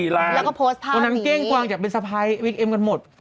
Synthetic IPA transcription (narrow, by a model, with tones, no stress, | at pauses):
i˨˩laː˧˦˥lːkɔ˥˩pʰoː˦˥st̪ʰaː˥˧˩nːa˦˥nkeː˥˩ŋkwaː˧ŋt͡ɕa˨˩k̚pe˧nsa˧pʰa˦˧˥jwi˦˥k̚ʔe˧mka˧nmo˨˩t̪̚